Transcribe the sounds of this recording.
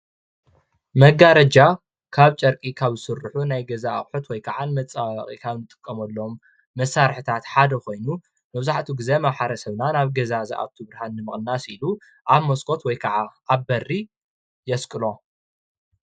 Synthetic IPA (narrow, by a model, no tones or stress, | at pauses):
mɐɡaɾɐd͡ʒa | kʰaβt͡ʃʼɐɾkʼikʰaβzɨsɨrħunajɡɐzaχʼħut̪wɔjkʰaʕanmɐt͡sʼa̰χʼḭkʰaβnɨt̪ʼɨ̥kʼːɐmɐlːomː | ɐsːaɾħɨt̪ʰat̪ħad̪ɐko̞jnu | mɐβzaħt̪ʰuɡɨzemaβħaɾɐsɐβnanaβɡɐzazɐ̰ʔa̰t̪ʰuβɾhanːɨmɨχʼnasilu | ʔaβmoskʰo̞t̪wɔjkʰaʕaaβːɐri | jɛskʼɨlo̞